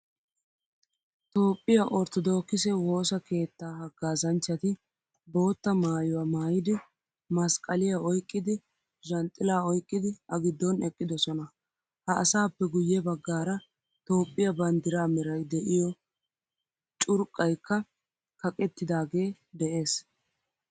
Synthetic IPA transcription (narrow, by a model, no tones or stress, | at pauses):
t̪o̞ːpʼːɪjɐʔɔɾt̪ɔd̪oːkːɪsɛwo̞ːsɐke̞ːt̪ːaːhɐɡ̥aːzɐnt͡ʃːɐt̪ɪ | bo̞ːt̪ːɐmaːjʊwamaːjɪd̪ɪ | mɐskʼɐlɪjɐɔjkʼːɪd̪ɪ | ʒɐnt̪ʼːɪlaːɔjkʼːɪd̪ɪɐɡɪd̪ːɔnɛkʼːɪd̪ɔsɔnɐ | hɐʔːsaːpːɛɡʊjːɛbɐɡːaːɾɐ | t̪o̞ːpʼːɪjɐbɐnd̪ɪɾaːmɛɾɐjd̪ɛʔɪjɔ | t͡ʃʼʊɾkʼːɐjkːɐ | kɐkʼɛt̪ːɪd̪aːɡe̞ː | d̪ɛʔe̞ːs